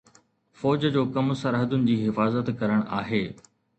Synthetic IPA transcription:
fɔːd͡ʑd͡ʑoːkɐmsɐɾɦəd̪ʊnɪ̆d͡ʑiːɦɪfaːzət̪kɐɾəɽ̃ʔa̰ːɦeː

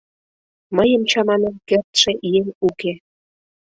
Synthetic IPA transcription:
məjə̆mt͡ɕɑmɑnemkert̪ʃeʔienuke

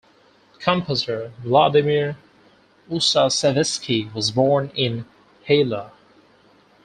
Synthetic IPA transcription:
kʰʌ̃mpʰəsə˞vlɑdɨmɪɹ | usasɛvɛskʰiwʌzbɔɹnɪ̃n | heɪlə

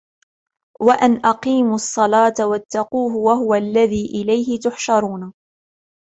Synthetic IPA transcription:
waʔanʔɑqiːmʊɑsˤːɑlɑːt̪awat̪ːaquːɦʊwaɦʊwalːaðiːʔɪlajɦɪt̪ʊħʃɑɾˤuːna

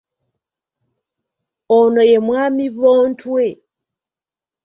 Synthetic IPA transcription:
onojemwaːmiβoːntʰwe

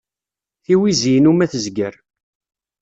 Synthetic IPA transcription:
θiwiziənumæθəzɡəɾ

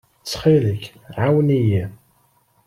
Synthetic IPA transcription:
t͡sːχiləç | ʕawniji

